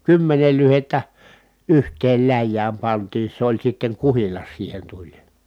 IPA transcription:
kymːenel lyhetːæ yhtˑeːl læjːæːm pɑntiː se olʲ sitːeŋ kuhilɑs siːhen tulʲ

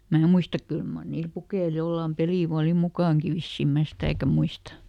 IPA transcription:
mæː muistɑk kyl mɑr niːl pukeil jolːɑˑm peliˑ ʋɑː oli mukɑˑŋki ʋisːim mæː sitæˑkæ muistɑ

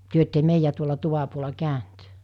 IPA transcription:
tyø etːe meijæ tuolɑ tuʋɑ puolɑ kæˑønt

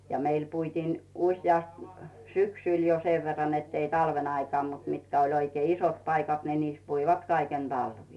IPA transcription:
jɑ meil puitiːn usjɑst syksyˑl jo seʋ ʋerːɑn netːei tɑlʋen ɑikɑː mut mitkæ olʲ oikei isot pɑikɑt ni niːs puiʋɑt kɑiken d̥ɑlʋiː

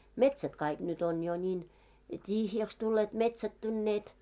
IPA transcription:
metsæt kɑik nyt on jo nʲiːn tʲihjæks tulːeːt metsætːynːeːt

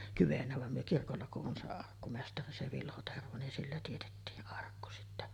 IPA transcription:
kyʋenːæ ʋɑm myø kirkolːɑ kuʔ ʔon se ɑrkːumestɑri se ʋilho terʋo nin silːæ tietetːiːʔ ʔɑrkːu sitːæ

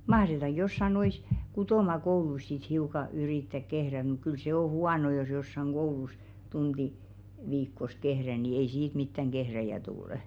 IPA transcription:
mɑhretɑŋɡ̊ josːɑ nois kutoˑmɑkouluis sit hiukɑ yriˑtːæk kehræ muk kyl se o huɑno jos josːɑŋ ɡ̊oulus tund̥i ʋiːkːos kehræ ni ei siːt mitːæŋ ɡ̊ehræjæ tulə̆

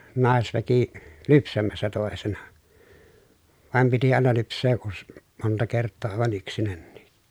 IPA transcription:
nɑˑesʋæki lypsæmæsːæ toˑesenɑ ʋɑˑem piti ɑˑenɑ lypsˑeː ʔus montɑ kertːoː ɑˑeʋɑn yksinænːiː

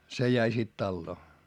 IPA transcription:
se jæi sit tɑlːoː

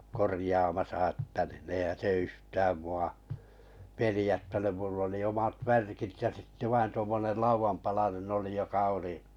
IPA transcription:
korĭjɑːmɑsɑ ĕtːæ niː eihæn̞ se yhtæːm muɑ pelĭjætːænym mulː oli omɑt ʋærkit jɑ sitːe ʋɑin tuomːonel lɑuʋɑmpɑlɑnen oli jokɑ oli

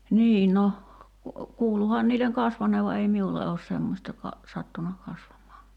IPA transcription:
niː no kuːluhɑn niːleŋ kɑsʋɑnˑeːʋ ʋɑ ei miulːe oːs semːosʲtɑ kɑ sɑtːunɑ kɑsʋɑmˑɑːŋkˑɑː

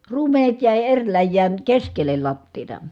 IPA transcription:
ruːmenet jæˑi erʲ læjːæːn keskelˑel lɑtːiːtɑ

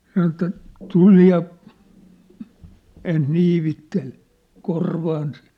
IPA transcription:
sɑnŏ ĕtːæ tuli jɑ ens niːʋitːel korʋɑːns

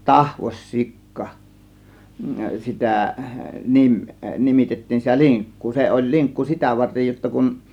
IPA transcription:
tɑhʋos sikːɑ sitæ nim nimitetːiːn sitæ liŋkːuː se olʲ liŋkːu sitæ ʋɑrtej jotːɑ kun

